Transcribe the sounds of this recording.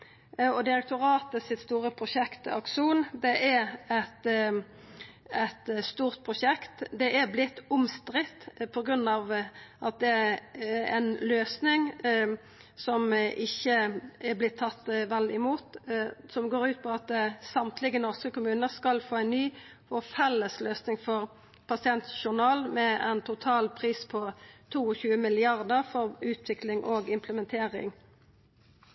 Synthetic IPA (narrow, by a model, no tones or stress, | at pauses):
ɔd̪ɪɾɛk̚t̪ʊʁɑːt̪əsɪt̪st̪uːʁəpʰʁʊʃɛkt̪ɑ̰kʂuːnd̪ɛʔæɾɛt̪ | ɛt̪st̪uːʁt̪̚pʰʁʊʂɛkt̪d̪ɛʔæʁblɪt̪ːʊmst̪ɾɪt̪ːpʰɔɡɾʉnːɑʋʔɑt̪̚d̪ɛ | ɛ̰nløːsnɪŋ | sɔmʔɪçːəɛblɪt̪ʰːɑt̪ːʋɛlːɪmuːt̪sɔmɡoːʁʉːt̪̚pʰɔɑt̪̚sɑmt̪ʰlɪɡənɔʁskəkʊmʉːnəskɑlfoːæɛnnyː | fɔfɛlːəsløːsnɪŋfɔʁ | pʰɑsɪɛnt̪ʃʊʁnɑːlmɛɛ̰nt̪ʰʊt̪ʰɑːlpʰʁiːspʰɔt̪ʰuːɔçʉːəmɪlɪɑʁd̪əʁfɔʁʉːt̪ʰʋɪklɪŋʔoːɡɪmpʰləmɛnt̪ʰeːʁɪ̰ŋ